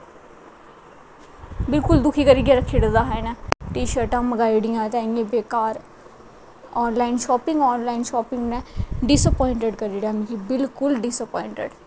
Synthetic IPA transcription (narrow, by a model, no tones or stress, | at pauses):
bɪlkʊld̪ʊkʰiːkəɾiːɡjaːɾəkʰːeːɽəd̪aːɦɛnɛːʈiːʃəɾʈãːməɡaːiɖɪjãːt̪ɛ̃ːŋɡẽːbeːkaːɾ | ɔːnlaːɪnʃɔːpɪ̃ŋɡɔːnlaːinʃɔːpɪ̃ŋɡnɛːɖɪsəpɔːɪ̃ɳʈeɖkəɾiːɽaːmĩkiːbɪlkʊlɖɪsəpɔːɪɳʈḛɖ